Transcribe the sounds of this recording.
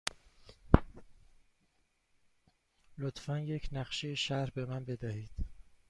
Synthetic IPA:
lot̪ʰfænjecʰnæχʃejeʃæɾbe̞mænbe̞d̪æhiːd̪̥

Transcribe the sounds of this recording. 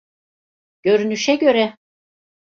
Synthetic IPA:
ɟ̥ø̞ɾynyʃɛɟø̞ɾɛ

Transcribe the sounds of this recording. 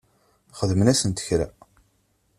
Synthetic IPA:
χəðmənæsənt̪ə̥çɾæ̰

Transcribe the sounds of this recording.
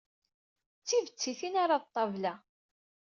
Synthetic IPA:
t͡sːivət͡sːiθinaɾˤɑðt̪ˤːɑvlæ

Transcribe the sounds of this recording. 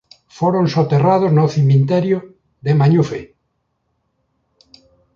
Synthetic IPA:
foɾonsot̪erað̞ʊznoθimint̪ɛɾjʊ | ðemaɲufe

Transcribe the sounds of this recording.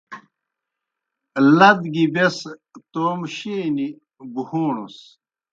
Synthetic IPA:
lɐd̪ɡibes | t̪oːmɕeːni | buhuːɳṵs

